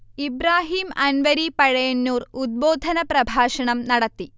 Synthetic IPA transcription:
ibɾaːɦiːmɐnʋɐɾipɐɻɐjɐnːuːrud̪̚boːd̪ʱɐnɐprɐbʱaːʂɐɳɐmnɐɽɐt̪ːi

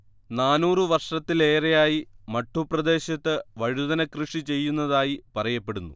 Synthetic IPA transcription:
naːnuːrɨʋɐrʂɐt̪ːile̞ːrejaːjimɐʈːuprɐd̪e̞ːɕɐt̪ːɨʋɐɻuðɐnɐkrɨʂit͡ɕe̞jːunːɐðaːjipɐrɐjɐpːe̞ɽunːṵ

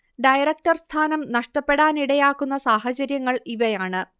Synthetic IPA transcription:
ɖɐjɐɾɐk̚ʈɐrst̪ʰaːnɐmnɐʂʈɐpːe̞ɽaːniɽɐjaːkːunːɐsaːhɐt͡ɕɐɾjɐŋːɐɭiʋɐjaːɳɨ

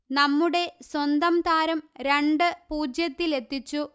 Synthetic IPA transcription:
nɐmːuɽe̞swɐnd̪ɐmt̪aːɾɐmɾe̞ɳɖɨpuːd͡ʑjɐt̪ːile̞t̪ːit͡ɕːu

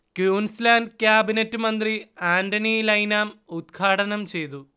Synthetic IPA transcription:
kjuːnslaːndkjaːbinɐtːɨmɐnd̪riaːndɐnilɐjnaːmud̪ɡʰʱaːʈɐnɐmt͡ɕe̞jt̪u

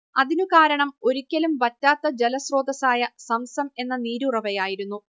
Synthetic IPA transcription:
ɐðinukaːɾɐɳɐmo̞ɾikʲːɐlumʋɐtːaːt̪ːɐd͡ʑelɐsro̞ːd̪ɐsaːjɐsɐmsɐme̞nːɐniːɾurɐʋɐjaːjiɾunːu

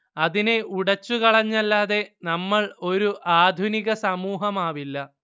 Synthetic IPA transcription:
ɐðine̞uɽɐt͡ɕːukɐɭɐɲːɐlːaːðe̞nɐmːɐɭo̞ɾuʔaːd̪ʱuniɣɐsɐmuːɦɐmaːʋilːɐ

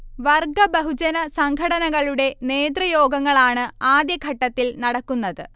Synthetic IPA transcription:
ʋɐrɡɐbɐɦud͡ʑɐnɐsɐŋɡʰʱɐɽɐnɐɣɐɭuɽe̞ne̞ːd̪rɐjo̞ːɡɐŋːɐɭaːɳɨaːd̪jɐkɐʈːɐt̪ːilnɐɽɐkːunːɐðɨ

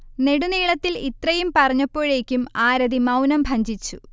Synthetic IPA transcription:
ne̞ɽuniːɭɐt̪ːilit̪rɐjumpɐrɐɲːɐpːo̞ːɻe̞ːkʲːumaːɾɐðimɐwnɐmbʱɐɲd͡ʑit͡ɕːṵ

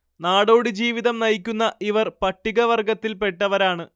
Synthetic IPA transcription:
naːɽo̞ːɽid͡ʑiːʋiðɐmnɐjikʲːunːɐʔiʋɐrpɐʈːiɣɐʋɐrɡɐt̪ːilpe̞ʈːɐʋɐɾaːɳɨ

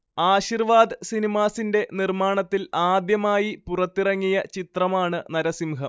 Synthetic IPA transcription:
aːɕirʋaːd̪ɨsinimaːsinde̞nirmaːɳɐt̪ːilaːd̪jɐmaːjipurɐt̪ːirɐŋːijɐt͡ɕit̪rɐmaːɳɨnɐɾɐsimɦɐm

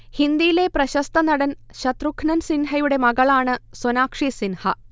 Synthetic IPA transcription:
hind̪ijile̞prɐɕɐst̪ɐnɐɽɐnɕɐt̪rukʰːnɐnsinɦɐjuɽe̞mɐɣɐɭaːɳɨsonaːkʂisinhɐ

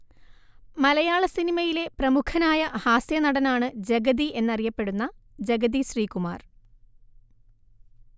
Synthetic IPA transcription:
mɐlɐjaːɭɐsinimɐjile̞prɐmukʰɐnaːjɐhaːsjɐnɐɽɐnaːɳɨd͡ʑeɡɐðie̞nːɐrijɐpːe̞ɽunːɐd͡ʑeɡɐðiɕriːkuma̰ːr

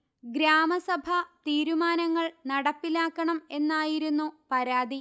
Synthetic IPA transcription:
ɡɾaːmɐsɐbʱɐt̪iːɾumaːnɐŋːɐɭnɐɽɐpːilaːkːɐɳɐme̞nːaːjiɾunːupɐɾaːd̪ʱi

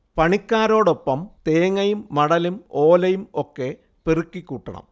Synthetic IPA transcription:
pɐɳikʲːaːɾo̞ːɽo̞pːɐmt̪eːŋɐjumːɐɽɐlumoːlɐjumo̞kːe̞ | perikːikʲːuːʈːɐɳɐ̰m

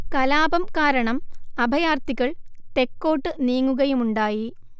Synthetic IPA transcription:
kɐlaːbɐmkaːɾɐɳɐmɐbʱɐjaːrt̪ikːɐɭt̪e̞kːo̞ːʈːɨniːŋːuɣɐjumuɳɖaːji

